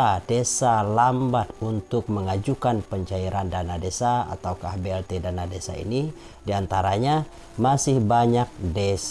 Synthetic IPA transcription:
adesalambat̪̚unt̪ʊk̚məŋad͡ʒukanpəɲt͡ʃaiɾandanadesaa̰t̪aukahbeɛlt̪edanadesa̰ḭni | diant̪aɾaɲa | masɪhbaɲak̚des

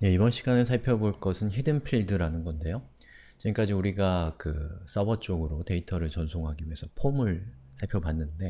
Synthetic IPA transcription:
je̞ibʌnɕʰiɡanɯɭsʰaɭpʰjʌboɭk͈ʌsʰɯnçidɯnpʰiɭdɯɾanɯnɡʌnde̞jo | t͡ɕiɡmk͈ad͡ʑiuɾiɡakɯs͈ʌbʌt͡ɕ͈oɡɯɾote̞itʰʌɾɯɭt͡ɕʌnsʰoŋɦaɡijʌnsʰʌpʰomɯɭ | sʰaɭpʰjʌpanːɯnde̞

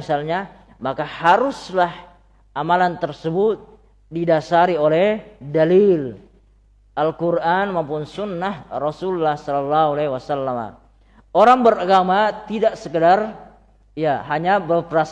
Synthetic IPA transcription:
isalɲa | makahaɾʊslah | amalant̪ərsəbʊt̪̚ | didasaɾiolɛhdalil | ʔalkurʔanmampʊnsunːahrɔsulːahsɔlɔlːaɦualawasalːama̰ | oɾaŋbəɾaɡamat̪idaʔsəkədar | ijaɦaɲabərpəɾas

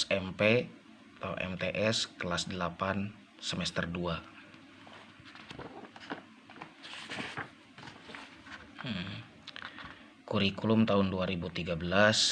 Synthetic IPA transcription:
ɛmpe | t̪a̰ɛ̰mt̪eʔɛskəlasdəlapan | səmɛst̪ərdua | kuɾikulʊmt̪aɦʊnduaɾibut̪iɡabəlas

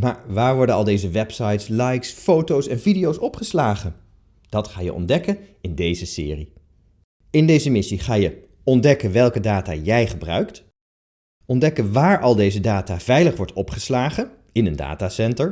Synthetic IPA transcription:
ma̰ːɹʋaːɹʋɔɹdənɑlˠdejzəʋɛpsɑjtslɑjksfowtowsɛnvidijowsɔpχəslaːχən | d̥ɑtχaːjə̰ʔɔ̰ndɛkənɪndejzəsɪ̰ːri | ɪndejzəmɪsiχaːjə | ɔndɛkənʋɛlˠkədaːta̰ːjɛjχəbrœ̰ɥkt | ʔɔndɛkənʋaːɹʔɑlˠdejzədaːtav̥ɛjləχʋɔɹtɔpχəslaːχən | ɪnənda̰ːtaːsɛntəɹ

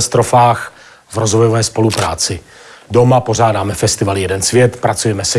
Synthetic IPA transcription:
st̪ɾo̞faːx | vɾozvojovɛːspo̞lupɾa̰ːt͡sɪ | do̞mapo̞ʒaːdaːmɛfɛst̪ɪvaljɛdɛnsvjɛt̪pɾat͡sujɛmɛsɛ

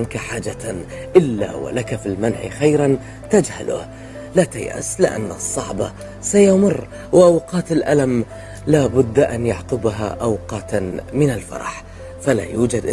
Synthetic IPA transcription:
nkaħaːd͡ʒa | ʔɪlːa̰wa̰lakafilmanʕ̰xajɾan | t̪ad͡ʒha̰lʊ̰h | lat̪ajʔa̰slɪ̰ʔa̰nːɨsˤːɑʕbɑ̰ | sajamʊrː | wɪʔɑwqɑːt̪ɪlʔalam | laːbʊd̪ːʔanjaʕt̪ʊbaɦa̰ʔawqɑːt̪mɪnalfɑ̰ɾˤɑ̰ħ | fala̰juːd͡ʒad̪ʔ

